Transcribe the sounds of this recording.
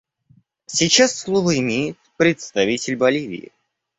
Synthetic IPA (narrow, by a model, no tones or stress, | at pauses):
sʲit͡ɕasːlˠovəɪmʲejɪt̪̚pɾʲɪt̪st̪ɐvʲitʲɪlʲbɐlʲivʲɪ̰ːɪ̰